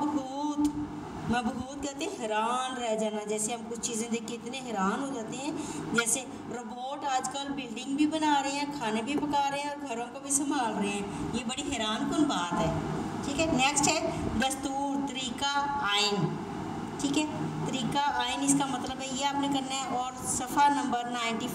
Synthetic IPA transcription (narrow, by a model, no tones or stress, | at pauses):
bbuːt̪ | məbbuːt̪̚kət̪eɦɛɾaːnɾɛɦd͡ʒaːnaːd͡ʒɛːseɦəmkʊt͡ʃʰt͡ʃiːzãːd̪ekɪt̪neɦɛɾaːnɦoːd͡ʒaːt̪eɦɛ̃ːd͡ʒɛːse | ɾəboːʈəd͡ʒkəlbɪlɖɪ̃ŋɡ̚bʱiːbənaːɾəeɛ̃ːkʰaːneːbʱipəkaːɾəẽɔːɾɡʱəɾõːkobʱiːsəmbʱaːlɾəɦeɛ̃ːjebɐɽiɦɛːɾaːnk̪ʊlbʱaːt̪ɦɛːʈʰiːkɛːnɛːksʈɦɛd̪ɐst̪uːɾt̪əɾiːkaaːɪn | ʈʰiːkɦɛːt̪əɾiːkaʔaːɪnɪskamɐt̪ləbɦɛjeaːpnekɐɾnaɦɛʔɔːɾ | sɐfʰanɐ̃mbəɾnaːɪ̃ɳʈi